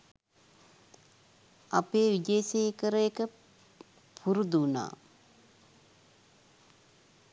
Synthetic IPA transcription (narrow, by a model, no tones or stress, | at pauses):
apeːʋid̪eːseːkəɾəjekə | pʰuɾud̪una̰ː